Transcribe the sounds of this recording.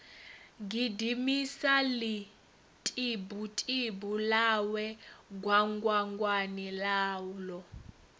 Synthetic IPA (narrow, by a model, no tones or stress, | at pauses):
ŋɡidimisali | tʼibutʼibulawɛɡwaŋɡwaŋɡwanilaːwlɔ